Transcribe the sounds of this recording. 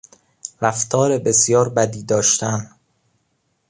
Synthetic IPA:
ɾæft̪ʰɒːɾebe̞sjɒːɾbæd̪iːd̪ɒːʃt̪ʰæn

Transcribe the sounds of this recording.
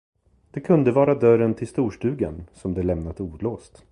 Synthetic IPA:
d̪̥ɛkʰɵnd̪əvɑːɾad̪œɾənt̪ʰɪlst̪uːʂʈʉ̟ːɡa̰nsɔmd̪ɛlɛmnad̪əuːd̪loːst̪

